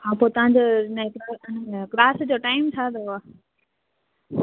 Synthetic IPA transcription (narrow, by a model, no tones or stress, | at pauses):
ɦãːpoːt̪ɐʋãɲd͡ʑoːnekɾanklaːsd͡ʑoːʈaːɪmt͡ɕʰaːd̪oaː